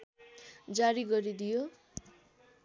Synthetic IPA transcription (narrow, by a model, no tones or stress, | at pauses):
d͡zaɾiɡʌɾid̪ijo